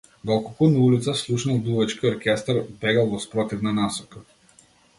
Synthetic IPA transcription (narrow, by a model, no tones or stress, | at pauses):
d̪ɔlˠkɔlˠkunaulit̪saslˠuʃnalˠb̪luvɛt͡ʃkiɔɾkʲɛst̪aɾpɛɡalˠvɔspɾɔt̪ivnanasɔka